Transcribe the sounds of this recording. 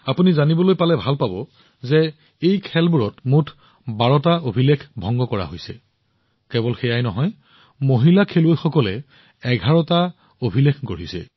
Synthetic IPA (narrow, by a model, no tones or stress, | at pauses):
apunizanibɔlojpalɛbʱalpabɔ | zɛ | ejkʰɛlbuɹɔtmutʰ | baɹɔtaobʱilekʰbʱɔŋɡɔkɔɹa̰ɦojsɛ̰ | kɛbɔlxɛjajnɔɦɔj | moɦilakʰeluojxɔkɔlɛ | ɛɡʱaɹɔta | obʱilekʰɡoɹisɛ̰